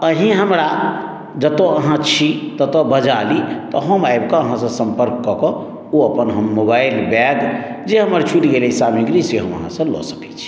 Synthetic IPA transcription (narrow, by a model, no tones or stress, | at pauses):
əɦĩɦəmɾa | d͡ʒət̪oəɦãt͡ʃʰit̪ət̪ɔbəd͡ʒalit̪ɔɦəmajbkɔəɦãsə̃sə̃mpəɾkːɔkɔ | oəpənɦəmːobajlbɛɡd͡ʒeɦəməɾt͡ʃʰulɡelɛisamiɡɾiseɦəmə̰ɦã̰sə̃lɔ̰sə̥kɛ̥t͡ʃʰi̥